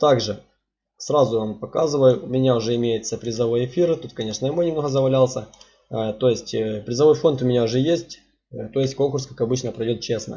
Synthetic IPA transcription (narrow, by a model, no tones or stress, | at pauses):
t̪aɡʐɨ | sɾazʊompɐkazɨvəjʊʊmʲɪnʲaʊʐɛɪmʲejɪt̪səpɾʲɪzɐvojɪfʲirt̪ut̪kɐnʲe̞ʂnəɪmonʲɪmno̞ɦəzəvɐlʲalˠsʲə | t̪o̞jɪsʲtʲpɾʲɪzɐvo̞jfo̞nt̪ʊmʲɪnʲaʊʐɛjesʲtʲ | t̪o̞jɪsʲtʲko̞nkʊrskakɐbɨt͡ɕnəpɾɐjdʲo̞t̪̚t͡ɕe̞snə̰